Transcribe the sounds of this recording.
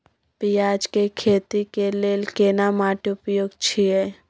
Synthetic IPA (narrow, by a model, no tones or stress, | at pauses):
pijaːd͡ʒkekʰeːt̪ikeleːlkeːnamaːʈʊpjoːɡt͡ʃʰie